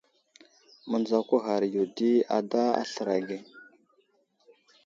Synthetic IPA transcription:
mə˨nd͡za˨kʷu˦ɣa˨ɾju˨di˦a̰˨da˦a̰˦ɬə˨ɾa˨ɡe˨

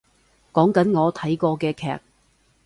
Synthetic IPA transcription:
kɔː˨˥ŋkɐ˨˥nŋɔː˨˧t̪ʰɐ˨˥jkɔː˧kɛː˧kʰɛ̰ː˨k̚

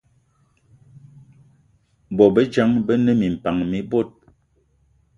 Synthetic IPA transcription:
bɔ˨bə˦d͡ʒa˦ŋbə˦nə˦mi˨m̩˨pa˨ŋmi˦bo˦t̚

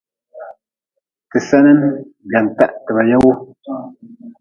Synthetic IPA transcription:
tɨ˨sɛ˦nɛ˦n | ɡa˨n˨ta̰˦ʔtə˨ba˨ja˦wu˦

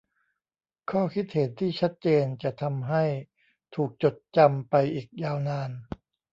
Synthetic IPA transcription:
kʰɔː˥˩kʰi˦˥t̪̚he˩˦nt̪ʰiː˥˩t͡ɕʰa˦˥t̪̚t͡ɕeː˧nt͡ɕa˨˩t̪ʰa˧mɦa˥˩j | t̪ʰuː˨˩k̚t͡ɕo˨˩t̪̚t͡ɕa˧mpa˧jʔiː˨˩k̚jaː˧wnaː˧n

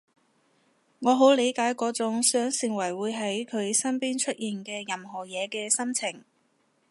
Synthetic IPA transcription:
ŋɔː˨˧ɦo˨˥wle˨˧jkaː˨˥jkɔː˨˥t͡sʊ˨˥ŋsœː˨˥ŋsɪ˨ŋwɐ˨˩jwuː˨˧jɦɐ˨˥jkʰɵ˨˧ɥsɐ˥npiː˥nt͡ʃʰɵ˥t̚jiː˨nkɛː˧jɐ˨mɦɔː˨˩jɛː˨˧kɛː˧sɐ˥mt͡sʰɪ˨˩ŋ

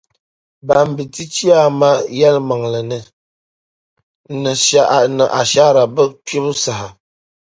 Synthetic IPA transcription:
ba˨m˨bi˨ti˦t͡ʃi˦a˦ma˦jɛ˦lma˨ŋlɨ˨nɨ˨˦ | nɨ˨ʃa˦˨nɨ˨ʔa˨ʃa˦ɾa˨bɨ˦to˦bɨ˦sa˨ha˨

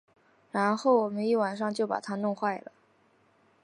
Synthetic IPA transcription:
ɻa˧˥nxo˥˩ʊwɔ˨˩mə˦ni˥˩wa˨˩nʂ̬ɑ˥˧ŋt͡ɕjo˥˩ʊpa̰˨˩t̪ʰa˥nʊ˥˧ŋxwa˥˩ɪlə˩

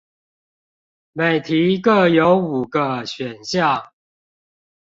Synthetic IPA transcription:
me˨˩ɪt̪ʰi˨˦kə˥˨jo˨˦ʊu˨˩ɡə˦ɕɥɛ˨˩nɕja˥˨

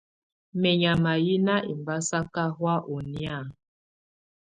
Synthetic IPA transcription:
mɛ˨ɲa˨ma˨ji˦na˦ʔi˨mba˦sa˦ka˦ɦwa˦ʔo˨ni˦a˦˨

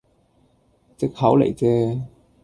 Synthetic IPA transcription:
t͡sɪ˥k̚hɐ˨˥wlḛ˨˩jt͡sɛː˦˥

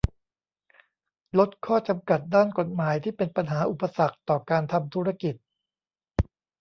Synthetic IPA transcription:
lo˦˥t̪̚kʰɔː˥˩t͡ɕa˧mka˨˩t̪̚daː˥˩nko˨˩t̪̚maː˩˦jt̪ʰiː˥˩pe˧npa˧nɦaː˩˦ʔu˨˩pːa˧sa˨˩k̚t̪ɔː˨˩kaː˧nt̪ʰa˧mt̪ʰuː˦˥ɾa˧ki˨˩t̪̚

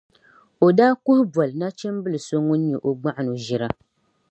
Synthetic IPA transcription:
o˨daː˦kʊ˦hʊ˦bɔ˨lɨ˨na˦t͡ʃɛ˦mbɨ˦lɨ˨so˦ŋu˦n̩˦ɛ˨ʔo˨ɡ͡ba˦ʔa˦˨nu˨ʒi˨ɾa˦

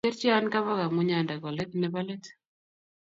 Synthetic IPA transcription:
e˦ɾt͡ʃi˦a˦nka˦βa˦ɡa˨mʊ˦ɲa˨nda˨ɡɔ˨lɛ˦t̚nɛ˦balɛ˦t

